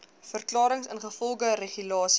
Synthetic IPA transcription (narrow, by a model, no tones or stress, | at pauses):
fərklɑːɾəŋsənχəfɔlˠχəreχylɑːs